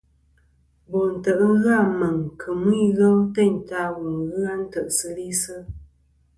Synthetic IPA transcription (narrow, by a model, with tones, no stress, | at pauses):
bɔ˨n̩˨tə˨ʔ̩˦ɣa˦˨mə˨ŋkʰə˨mwi˦˨ɣə˦wtɛ˦˨ɲ˨ta˦wu˨ŋɣɨ˦a˦n̩˦tə˨ʔsə˦li˦sə˦